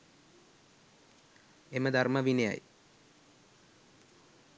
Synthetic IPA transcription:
eməd̪ʱarməʋineja̰j

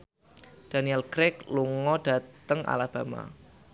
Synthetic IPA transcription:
d̥a̤niɛlkɾɛkluŋɔd̥a̤t̪əŋʔa̰lab̥a̤ma̰

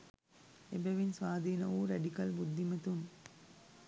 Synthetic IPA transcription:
ebɐʋinsʋaːd̪ʱiːnɐuːɾɐɖikɐlbud̪ʱːimɐt̪um

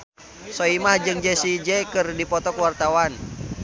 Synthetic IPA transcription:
sɔimahd͡ʒɨŋd͡ʒɛsid͡ʒɛkɨrdipɔt̪ɔkwart̪awan

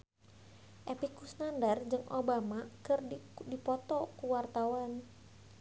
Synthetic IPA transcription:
ʔɛpikusnandard͡ʒɨŋʔobamakɨrdipɔt̪ɔkuwart̪awan

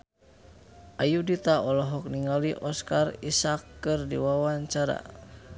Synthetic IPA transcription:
ʔajudit̪aɔlɔɦɔk̚niŋaliʔɔskarisakːɨrdḭwawaɲt͡ʃaɾa̰

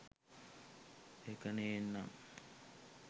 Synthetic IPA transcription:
ekənejenːaŋ

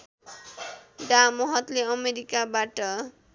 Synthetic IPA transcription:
ɖamʌɦʌt̪leʌmeɾikabaʈʌ

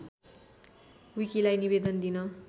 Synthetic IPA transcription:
wikilajnibed̪ʌnd̪inʌ

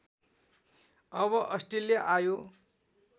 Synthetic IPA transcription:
ʌβʌʔʌsʈeljaʔajo

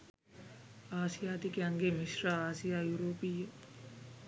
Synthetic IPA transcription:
aːsijaːd̪ikeɐŋɡemiʃɾaaːsijaːjuɾoːpijə

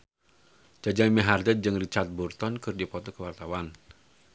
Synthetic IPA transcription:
d͡ʒad͡ʒaməɦard̪əd͡ʒɨŋrit͡ʃart̪̚burt̪ɔnkɨrdipɔt̪ɔkəwart̪awan

